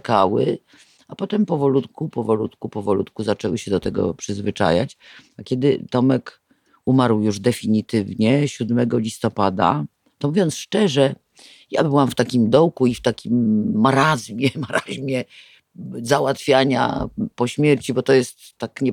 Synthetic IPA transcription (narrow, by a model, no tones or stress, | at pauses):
kawɘ | apɔt̪ɛmpɔvɔlut̪kupɔvɔlut̪kupɔvɔlut̪kuzat͡ʂɛwɘɕɛd̪ɔt̪ɛɡɔ̰pʂɘzvɘt͡ʂa̰ja̰t͡ɕakʲɛd̪ɘt̪ɔmɛk | umaɾwjuʐd̪ɛfʲiɲit̪ɘvɲɛɕud̪mɛɡɔlʲist̪ɔpad̪a̰ | t̪ɔmuvʲjɔnt̪sʂt͡ʂɛʐɛ | ja̰bɘwamft̪akʲimd̪ɔwkuift̪akʲimːaɾazmʲjɛmaɾʔaʑmʲjɛ | zawat̪fʲjaɲa̰pɔɕmʲjɛɾt͡ɕibɔt̪ɔjɛst̪ːakɲɛ